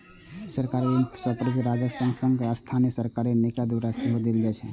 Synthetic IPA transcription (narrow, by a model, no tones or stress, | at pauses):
səɾkaɾisəpɾɡiɾad͡ʒəksə̃ŋɡsə̃ŋɡast̪ʰaniəsəɾkaɾinekad̪waɾaseɦod̪eld͡ʒɛt͡ʃʰɛ̰